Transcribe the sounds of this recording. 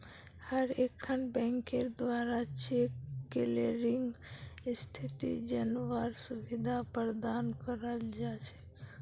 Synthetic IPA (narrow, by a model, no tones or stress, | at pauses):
həɾekʰənbɛ̃ŋkeɾd̪ʋaɾat͡ʃʰekkeleɾiŋɡst̪ʰit̪ḭd͡ʒənʋaɾsuʋid̪ʱapəɾd̪ankəɾəld͡ʒat͡ʃʰe̥